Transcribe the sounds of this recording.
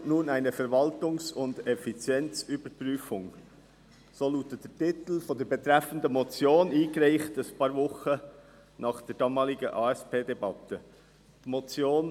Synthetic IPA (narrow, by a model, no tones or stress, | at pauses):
nuːnæɪnəfɛɾvɑltʊŋsʊndɛfit͡sjɛnt͡syb̥əɾpryːfʊŋ | soːluːtːəd̥ɛtɪt̪l̩fodɛːɾbɛt̪ɾɛfəndəmot͡sjoːniːɡɾaɪχtəspɑːɾvʊχə | nɑːχd̥ɛːɾdɑːmɑːlɪɡəʔɑːɛspeːdɛbɑtə | d̥imot͡sjoːn